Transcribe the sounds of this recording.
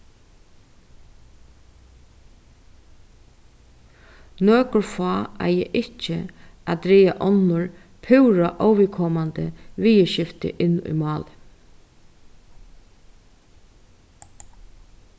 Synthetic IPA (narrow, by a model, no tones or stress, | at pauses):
nøːkʊɹfɑːa̰jɛ̰ʔɪht͡ʃːə̰ad̪ɾiːaʔɔnʊɹ | pʰʏwɾaʔɔwʋɪkʰɔːmand̪ə̰ʋiːjəʃɪft̪ɪ̰ʔɪnːʊ̰jmɑːlɪ